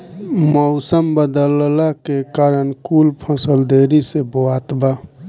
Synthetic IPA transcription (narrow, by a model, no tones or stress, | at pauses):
mɔʊsəmbəd̪əllakekaɾənkulpʰə̃səld̪eɾiseboat̪ba